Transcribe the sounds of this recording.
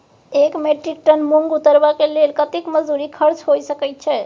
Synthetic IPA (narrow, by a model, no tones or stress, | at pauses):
ekmeʈɾik̚ʈənmuŋɡut̪əɾbakelelkət̪ikməd͡ʒd̪uɾikʰəɾt͡ʃɦojsəkɛjt̪̚t͡ʃʰɛ